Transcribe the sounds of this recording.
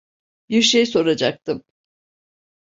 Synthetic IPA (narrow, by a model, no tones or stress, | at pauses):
biɾʃejso̞ɾad͡ʒak̚t̪ʰɯm